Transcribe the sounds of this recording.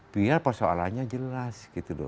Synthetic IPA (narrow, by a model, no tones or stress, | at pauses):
b̥iarpərsoa̰la̰ɲad͡ʒəlasɡit̪udɔ̰